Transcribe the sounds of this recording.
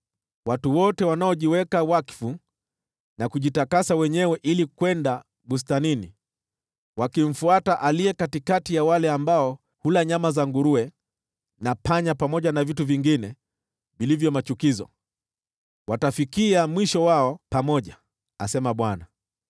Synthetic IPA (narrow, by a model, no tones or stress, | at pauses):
watuwɔtɛwanaɔʄiwɛkawaki̥fu | nakuʄitakasawɛɲɛwɛʔilikwɛnda | ɓus̬tanini | wakim̩fuataʔaliɛkatikatijawalɛambaɔ | hulaɲamazaŋɡuɾuɛ | napaɲapamɔʄanavituviŋɡinɛ | vilivjɔmat͡ʃukizɔ̰ | watafikiamwiʃɔwaɔpamɔʄa | asɛmaɓwana